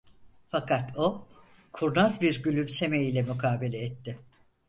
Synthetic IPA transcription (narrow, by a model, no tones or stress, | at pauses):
fakʰat̪ʰo̞ | kʰuɾnazbiɾɟylʲymse̞mejilʲɛmykʰaːbe̞lʲɛːt̪ːɪ